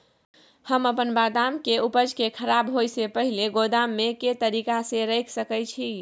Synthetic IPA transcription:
həməpənbad̪amkeupəd͡ʒkekʰəɾabɦojsepəɦileɡod̪amːeket̪əɾikaseɾəjkʰsəkət͡ʃʰi

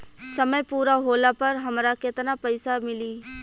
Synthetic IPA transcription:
sɐməjpuːɾaɦoːlapɐɾɦɐmɾakɪt̪napɐɪsamɪliː

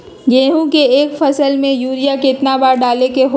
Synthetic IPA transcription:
ɡeːɦũkeeːkfʰəsəlmẽjuːɾijaket̪nabaːɾɖaːlekeɦ

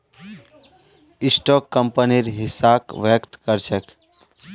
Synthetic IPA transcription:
ɪsʈokːəmpəniɾɦɪsakʋjəkt̪kəɾʃʰək

